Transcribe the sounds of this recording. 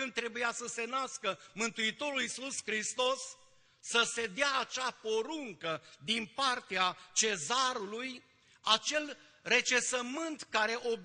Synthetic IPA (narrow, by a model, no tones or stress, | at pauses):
ɨn̚t̪ɾe̞bujasəse̞naskəmɨnt̪uit̪o̞ɾulisuskɾist̪o̞sː | əse̞d̪eaːt͡ʃapo̞ɾuŋkəd̪inpart̪eat͡ʃe̞zaɾuluj | at͡ʃe̞l | re̞t͡ʃesəmɨnt̪kaɾe̞ʔo̞b